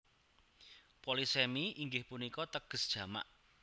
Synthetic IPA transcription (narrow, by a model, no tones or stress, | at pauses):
polisɛmiʔiŋɡɪhpunikɔt̪əɡ̥ə̤sd̥ʒ̥ä̤ma̰ʔ